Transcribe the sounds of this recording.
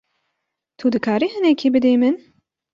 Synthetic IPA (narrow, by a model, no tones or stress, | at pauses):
t̪ʰud̪ɨkʰaːɾiːhɨnɛkʰibɨd̪eːmɨn